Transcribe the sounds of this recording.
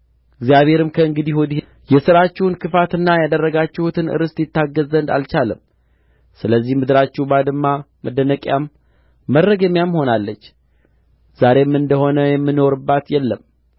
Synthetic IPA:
ɨɡzijaβhe̞ɾɨmkʰəɨŋɡɨd̪ihod̪i | jɛsɨɾat͡ʃːɛwnkʰɨfat̪ɨnːajad̪ərːəɡat͡ʃːɛhut̪ʰɨnɨ̰ɾɨst̪jɪt̪ːaɡːəzənd̪a̰lt͡ʃaləm | sɨləzːihmɨd̪ɨɾat͡ʃːɛwbad̪ɨmːa | məd̪ənəkʼjamː | ərːəɡəmjamho̞nalːət͡ʃː | z̥aɾe̞mɨnd̪əho̞nəjɛmːɨno̞ɾɨbːat̪jɛlːəm

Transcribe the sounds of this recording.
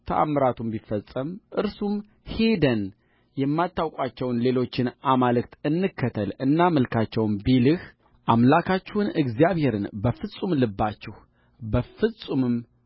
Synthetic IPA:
t̪ʰə̰ʔa̰mːɨɾat̪ʰumbifəsʼəmʔɨɾsum | he̞d̪ən | jɛmːat̪ːawkʷʼat͡ʃːɛwnle̞lo̞t͡ʃːɪnʔamalɨkt̪ɨnːɨkʰːət̪ʰəlɨnːaməlkʰat͡ʃːɛwmbilɨh | ʔamlakʰat͡ʃːɛhʊnɨɡzijaβhe̞ɾɨnbəfɨsʼumlɨbːat͡ʃːɪh | bəfɨsʼumɨm

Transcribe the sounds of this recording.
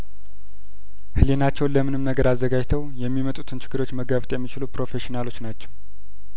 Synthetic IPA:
hɨlenat͡ʃːɛwnləmɨnɨmnəɡəɾazːəɡad͡ʒt̪ʰəwjɛmːimət̪ʼut̪ʰɨnt͡ʃʰɪ̥ɡɡɨɾo̞t͡ʃːməɡəβt̪ʼjɛmːit͡ʃɪlupɾo̞fe̞ʃinalo̞t͡ʃːnat͡ʃːɛw

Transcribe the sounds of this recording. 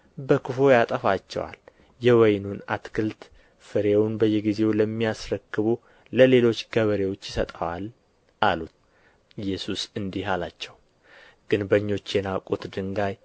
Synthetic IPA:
bəkɨfo̞jat̪ʼəfat͡ʃːɛ̰wa̰l | jɛwɔjnunat̪kʰɨlt̪ | fɨɾewʊnbəjːɛɡize̞wləmːijasɾəkːɨβu | ləle̞lo̞t͡ʃːɡ̥əβəɾewot͡ʃːjɪsət̪ʼəwal | ʔalut̪ | ɨjːɛsusɨnd̪ihalat͡ʃːɛw | ɡ̥ɨnbəɲːo̞t͡ʃːenakʼot̪d̪ɨŋɡaj

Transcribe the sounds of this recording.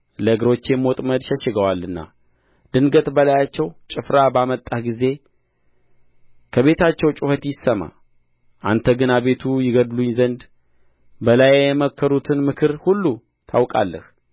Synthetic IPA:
ləɨɡɾo̞t͡ʃːjɛmot̪ʼməd̪ʃɛʃɪɡəwalːɨnːa̰ | d̪ɨnɡət̪bəlajat͡ʃːɛwt͡ʃʼɪfɾabamət̪ʼːahɡize̞ | kʰəβe̞t̪ʰat͡ʃːɛwt͡ʃʼuhət̪jɪsəma̰ | ʔant̪ʰəɡɨnaβe̞t̪ʰujɪɡəd̪luɲzənd̪ | bəlajjɛməkːəɾut̪ʰɨnmɨkʰɨɾhulːu | t̪ʰawkʼa̰lːəh

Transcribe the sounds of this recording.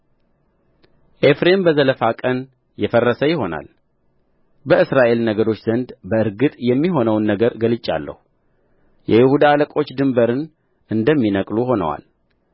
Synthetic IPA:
ʔe̞fɾe̞mbəzələfakʼən | jɛfərːəsəjɪho̞na̰l | bəɨsɾaʔe̞lnəɡəɾo̞t͡ʃːz̥ənd̪bəɨɾɡɨt̪ʼjɛmːiɦo̞nəwnːəɡəɾɡəlɨt͡ʃʼːa̰lːə̰hu | jʔɛjɪhud̪aləkʼo̞t͡ʃːd̪ɨmbəɾɨn | ʔɨnd̪əmːinəkʼluho̞nə̰wa̰l

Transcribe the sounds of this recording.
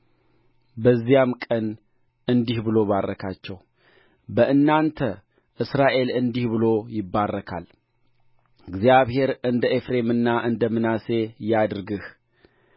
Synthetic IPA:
bəzːijamkʼən | ʔɨnd̪ihbɨlo̞βarːəkʰat͡ʃːɛw | bəʔɨnːant̪ʰə | ʔɨsɾaʔe̞lɨnd̪ihbɨlo̞jɪbːarːəkʰa̰l | ɨɡzijaβhe̞ɾɨnd̪əʔefɾe̞mɨnːaʔɨnd̪əmɨnase̞jad̪ɾɡɨh

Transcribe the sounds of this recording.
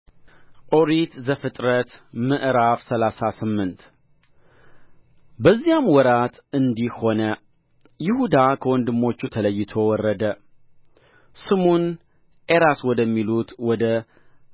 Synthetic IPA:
ʔoɾit̪zəfɨt̪ʼɾət̪mɨʔɾafsəlasasɨmːɨnt̪ | bəzːijamwɔɾat̪ɨnd̪iho̞nə | jɪhud̪akʰəwɔnd̪ɨmːo̞t͡ʃːut̪ʰələjːɪt̪ʰo̞wɔrːəd̪ə | sɨmun | ʔeɾaswɔd̪əmːilut̪wɔd̪ə

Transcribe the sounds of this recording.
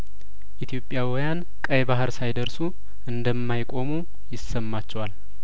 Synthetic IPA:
ʔit̪ʰjo̞pʼjawijan | kʼəjβaɦɨɾsajd̪əɾsu | ʔɨnd̪əmːajkʼo̞mu | jɪsːəmːat͡ʃːɛwal

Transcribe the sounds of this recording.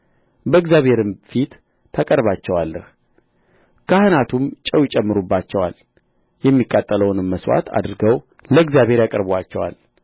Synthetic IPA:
bəɨɡzjaβhe̞ɾɨmfit̪ːʰ | əkʼəɾβat͡ʃːɛwalːəh | kʰahɨnat̪ʰumt͡ʃʼəwjɪt͡ʃʼɛmːɨɾubːat͡ʃːɛwal | jɛmːikʼːat̪ʼːələwnɨmːəswa̰t̪ʰa̰d̪ɾɡəw | ləɡzjaβhe̞ɾjakʼəɾbwat͡ʃːɛwa̰l

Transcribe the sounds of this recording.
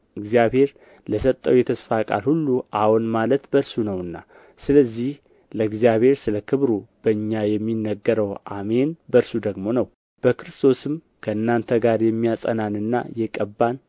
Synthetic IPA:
ɨɡzijabhe̞ɾ | ləsət̪ʼːəwjɛt̪ʰəsfakʼa̰lhulːuʔahwɔnmalət̪bəɾsunəwɨnːa̰ | sɨləzːih | ləɨɡzijaβhe̞ɾsɨləkʰɨβɾub̥əɨɲːajɛmːinːəɡːəɾəwa̰me̞nbəɾsud̪əɡmo̞nəw | b̥əkɨɾɨst̪ʰo̞sɨm | kʰəɨnːant̪ʰəɡaɾjɛmːijasʼə̰nanɨnːa̰jɛkʼəbːan

